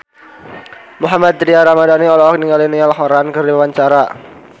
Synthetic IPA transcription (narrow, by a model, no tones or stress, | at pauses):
muɦamad̪ɾiaɾamadaniɔlɔk̚niŋɡalinialɦoɾankəriwewaɲt͡ʃaɾa